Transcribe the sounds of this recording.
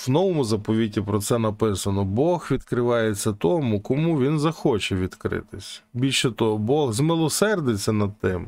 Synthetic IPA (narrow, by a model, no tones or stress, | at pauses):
wnɔʋɔmʊzɐpɔʋʲitʲːipɾɔt̪sɛnɐpɪsɐnɔbɔxʋʲid̪kɾɪʋɑjet͡sʲːɐt̪ɔmʊkɔmuʋʲinzɐxɔt͡ʃɛʋʲid̪kɾɪ̰t̪ɪsʲbʲilʲʃɛt̪ɔɦɔbɔɣzmɪlˠɔsɛrd̪et͡sʲːɐnɐd̪̚t̪ɪm